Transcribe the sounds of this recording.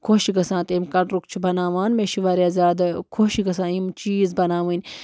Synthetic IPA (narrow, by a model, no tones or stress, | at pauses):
kʰoʃiɡɐsãːt̪emkɐʈɾukt͡ʃʰibɐnaːʋaːnmeʃiʋaːɾiaːzʲaːd̪kʰoːʃiɡɐsãːimt͡ʃiːzbɐnaːʋɨnʲ